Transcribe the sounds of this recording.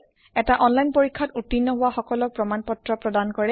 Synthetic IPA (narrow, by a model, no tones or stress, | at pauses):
ɛtaʔɔnlajnpoɹikʰːɔtutːinːɔɦʊwaxɔkɔlɔk̚pɹɔmanpɔtɹɔpɹɔdankɔɹɛ